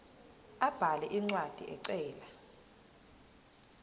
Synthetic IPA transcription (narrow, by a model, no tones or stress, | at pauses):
ab̥ʱalɛʔiŋ͡ǀwad̥ʱḭʔɛǀɛːla